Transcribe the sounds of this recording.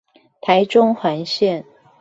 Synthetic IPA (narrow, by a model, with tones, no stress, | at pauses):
t̪ʰa˧˥ɪʈ͡ʂʊ˥ŋxwa˧˥nɕjɛ˥˩n